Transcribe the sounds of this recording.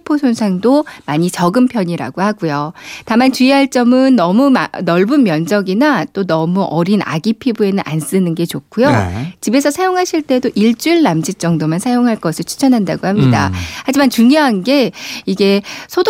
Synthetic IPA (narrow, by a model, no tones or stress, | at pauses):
pʰosʰonsʰaŋdomaɲit͡ɕʌɡɯmpʰjʌɲiɾa̰ɡohaɡujotamant͡ɕuiɦaɭt͡ɕ͈ʌmɯnːʌmuanʌɭbunmjʌnd͡ʑʌɡinat͈onʌmuʔʌɾina̰ɡipʰibue̞nɯnʔa̰ns͈ɯnɯnɡe̞t͡ɕokʰujot͡ɕibe̞sʰʌsʰajoŋɦaɕʰiɭt͈e̞doʔiɭt͡ɕ͈uiɭːamd͡ʑit͡ɕ͈ʌŋdomansʰajoŋɦaɭk͈ʌsʰɯɭt͡ɕʰu̥t͡ɕʰʌnɦandaɡohamɲida̰had͡ʑimant͡ɕuŋjoɦanɡe̞iɡe̞sʰod